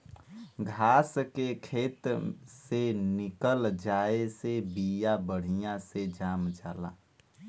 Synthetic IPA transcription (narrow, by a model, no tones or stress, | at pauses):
ɡʱaːskekʰeːt̪senɪkəld͡ʒaːesebijabəɽ̤ijãsed͡ʒaːmd͡ʒaːla̰